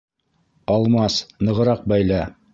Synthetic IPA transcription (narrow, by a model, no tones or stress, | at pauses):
ɑlˠmɑsnɤ̆ʁɤ̆ɾɑq̚bæjlæ